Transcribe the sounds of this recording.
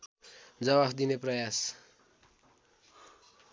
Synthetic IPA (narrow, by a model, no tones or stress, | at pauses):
d͡zʌbabʱd̪ineprʌjas